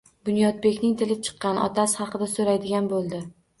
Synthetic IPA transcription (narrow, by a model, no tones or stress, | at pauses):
bʊnjɒd̪̚be̞kʲnɪŋt̪ʰɪlɪt͡ʃʰɨ̥qːɑnɒ̰t̪ʰashɑqɨd̪asoɾajd̪ɪɡʲanbolˠd̪ɪ